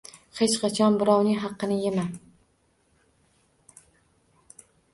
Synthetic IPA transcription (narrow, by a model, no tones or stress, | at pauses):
het͡ʃqʰɑt͡ʃʰɒnbɪɾɒwnɪɦɑqːɨnɪjema